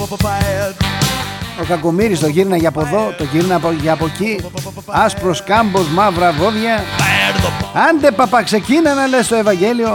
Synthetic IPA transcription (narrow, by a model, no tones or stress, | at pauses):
o̞kɐko̞miɾist̪o̞ʝiɾnɐʝɐpo̞ðo̞t̪o̞ʝiɾnɐpʝɐpo̞ci | ɐspɾo̞skɐmbo̞zmɐvɾɐvo̞ðʝɐ | ɐnd̪epɐpɐkse̞cinɐnɐlest̪o̞e̞vɐɲɟe̞lio̞